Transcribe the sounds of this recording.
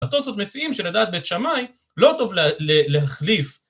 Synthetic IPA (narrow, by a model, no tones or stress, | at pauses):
at̪o̞sot̪met͡siimʃelad̪aːt̪̚bet̪ʃamaj | lo̞t̪o̞vleleɦaχlif